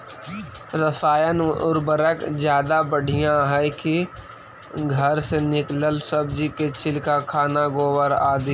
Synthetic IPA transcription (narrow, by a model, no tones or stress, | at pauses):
ɾəsaːjənʊɾbəɾəkd͡ʒjaːd̪abəɽ̤ʱijãɦɛki | ɡʱəɾsenɪkləlsəbd͡ʒiket͡ʃʰɪlkakʰaːnaɡoːwəɾaːd̪iː